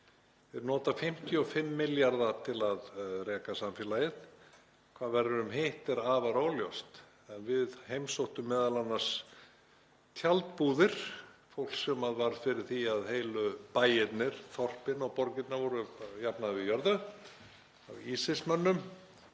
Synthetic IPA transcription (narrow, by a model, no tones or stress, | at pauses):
vɪðnɔːt̪afɪm̥t̪ʰiɔfɪmːɪljaɾðat̪ʰɪlaðrɛːkasamfjɛlaːjɪt̪n | kʰvaːðvɛɾʏɾʏmɦeht̪ɛɾavaɾaːwljowst̪ | ɛnvɪðhejmsowht̪ʏmːɛːðalanːas | t̪ʰjalt̪puːðɪɾ̥fowl̥ksɛmaðvaɾfɪɾɪɾ̥θiaðhejlʏpaːjɪt̪nɪɾ̥θɔr̥pɪnɔɣpɔɾcɪt̪naɾvɔɾʏjapnaðvɪjœɾðʏ | a̰wisɪsmœnːʏm